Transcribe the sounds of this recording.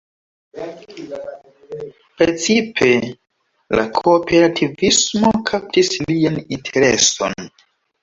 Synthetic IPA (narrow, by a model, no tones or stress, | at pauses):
pɾet͡sipʰe̞ | la̰kʰope̞ɾatʰivismo̞kʰap̚tislijanintʰeɾeso̞̰n